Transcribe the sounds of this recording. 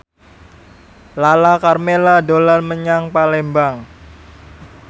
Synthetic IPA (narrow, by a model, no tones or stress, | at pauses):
lalakarmeladolanməɲaŋpalembaŋ